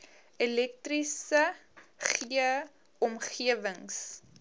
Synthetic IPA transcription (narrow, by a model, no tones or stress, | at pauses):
ɛlɛk̚trisəχiə | ɔmχiəvəŋs